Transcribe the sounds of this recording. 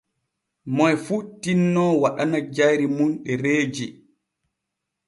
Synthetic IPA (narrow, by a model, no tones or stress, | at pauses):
mɔjfutinːɔwaɗanad͡ʒajɾimunɗɛɾeːd͡ʒi